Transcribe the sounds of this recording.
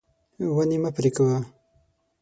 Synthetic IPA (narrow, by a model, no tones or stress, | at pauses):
wanimapɾikawa